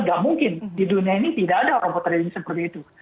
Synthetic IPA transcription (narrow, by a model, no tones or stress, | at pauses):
ɡaʔmuŋkɪndiduniainit̪idaːdaoɾaŋpɔt̪rɾɲisəpərt̪iːt̪u